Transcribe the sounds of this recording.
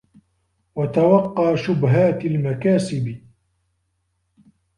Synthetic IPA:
wat̪awɑqːɑːʃʊbɦaːt̪almakaːsɪb

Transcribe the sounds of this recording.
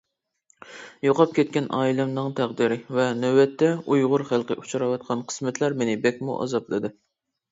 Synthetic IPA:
joqɑp̚kʲɛt̪̚kʲɛnʔɑːilɛmnɨŋt̪ʰæʁd̪iɾɪvɛnøwɛt̪ʰːɛujʁʊɾχælˠqəʔut͡ʃʰɾɑwɑt̪̚qʰɑnqʰə̥smɪt̪ʰlæɾmenɪbɛkʲmṵʔɑ̰zɑblˠɨd̪ɨ

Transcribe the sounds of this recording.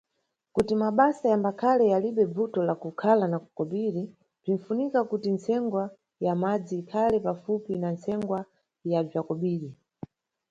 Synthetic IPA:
kutimaɓasajambakʰalɛjaliɓɛbutɔlakukʰalanaku̥kɔɓiɾi | b͡ʐin̩funikakutint͡sʰɛŋɡwa | jamad͡ziːkʰalɛpafupinant͡sɛŋɡwa | jab͡ʐakɔɓiːɾi

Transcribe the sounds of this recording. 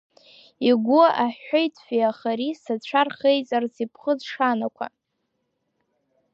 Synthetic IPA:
iɡʷʊʔaħojtʰʼfijaχaɾisat͡ɕʷʰarχejt͡sʼarsipʰχəzʂanakʷʰa̰

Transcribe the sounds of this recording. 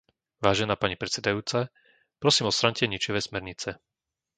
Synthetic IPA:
ʋaːʒɛnaːpaɲipɾɛt͡sɛd̪ajuːt͡sa | pɾɔsiːmɔst̪ɾaɲcɛɲit͡ʃiʋɛsmɛɾɲit͡sɛ

